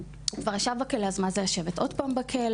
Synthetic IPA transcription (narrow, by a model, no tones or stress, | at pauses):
hukvaʁaʃavbakeleazmanzejaʃe̞vetʔo̞dpaːmbakʰel